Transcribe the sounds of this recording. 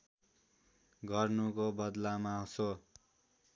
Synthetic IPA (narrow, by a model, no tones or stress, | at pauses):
ɡʌrnukobʌd̪lamaso